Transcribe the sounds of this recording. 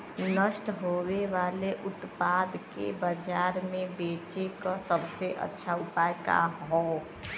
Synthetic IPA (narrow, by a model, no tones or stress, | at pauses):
nəsʈɦoweʋaleʔut̪pad̪ʱkḛbəd͡ʒaɾmebet͡ʃekə̃səbseʔə̰tːʃʰaupajka̰ɦɔ